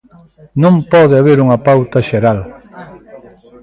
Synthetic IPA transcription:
nõmpɔðɪaβeɾuŋɐpawt̪ɐʃeɾal

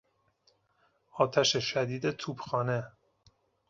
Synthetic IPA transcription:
ɒːt̪ʰæʃeʃæd̪iːd̪et̪ʰuːbxɒːne

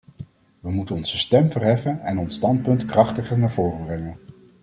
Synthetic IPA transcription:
ʋəmutənɔnzəstɛmvərɦɛfənɛnɔnstɑnt̚pɵntkrɑχtəχənaːɹvʊːrəbrɛŋən

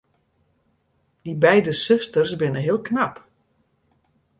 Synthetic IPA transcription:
d̥ibɛjdəsøstərsbɪnəɦiəlˠknap

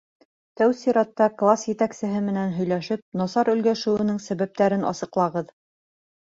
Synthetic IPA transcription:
t̪æwsiɾɑt̪ːɑklˠasjɘ̆t̪æksɘ̆ɦɘmɘ̆nænɦɵ̆jlæʃɘp̚nɑsɑɾɵ̆lɡæʃɘ̆wɘ̆nɘŋsæβæp̚t̪æɾɘnʔɑ̰sɤ̆qlˠɑʁɤð

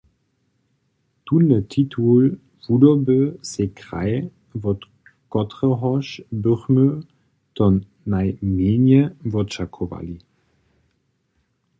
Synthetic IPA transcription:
tunːətʰitʰul | vudɔbøsekʁa̰ɪ | vɔt | kɔtʁəɦɔʃbøχmø | tɔnː | ajmeːnjəvɔtʃakʰova̰li

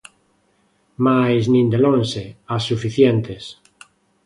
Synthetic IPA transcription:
majznĩnd̪elõnseasːufiθjent̪es

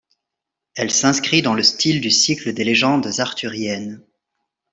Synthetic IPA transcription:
ɛlsɛ̃skχid̪ɑ̃ləst̪ild̪ysikləd̪eleʒɑ̃d̪zaʁt̪yʁjɛn

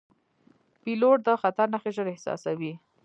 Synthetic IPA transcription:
piloʈ̚d̪əxat̪aɾnaxeʒəɾɪhsɑ̰sawi

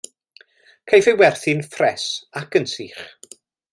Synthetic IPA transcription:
kʰajvɪwɛrθɪnfrɛsakənsiːχ

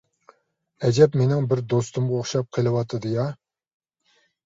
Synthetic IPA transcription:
ɛd͡ʒɛpmenɪŋbɪɾd̪ost̪ʊmʁəoχʃɑp̚qʰəlˠɨwɑt̪ʰɨd̪ɨjɑ

